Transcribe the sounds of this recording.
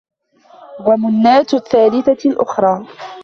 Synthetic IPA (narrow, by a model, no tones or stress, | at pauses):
wamʊnːaːt̪θːaːlɪθalʔʊxɾˤɑː